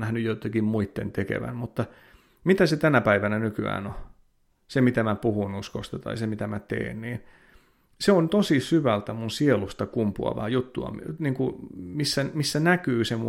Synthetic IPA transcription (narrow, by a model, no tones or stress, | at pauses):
æhnyjjot̪ːekimmuit̪ːḛnt̪ekḛʋæ̰nmut̪ːɑ | mit̪æset̪ænæpæiʋænænykyæ̰ːno | semit̪æmæpuhunuskost̪ɑt̪ɑ̰isemit̪æmæt̪ḛːnniːn | seont̪osisyʋælt̪æmunsielust̪ɑkumpuɑ̰ʋɑ̰jut̪ːuɑ̰mniːŋkumisːæmisːænækyːsemu